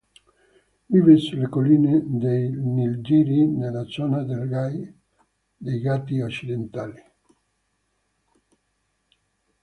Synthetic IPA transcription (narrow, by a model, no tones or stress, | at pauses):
viveslekolined̪ejnild͡ʒiɾinelasɔnad̪elɡaj | d̪ejɡat̪iot͡ʃid̪ent̪ali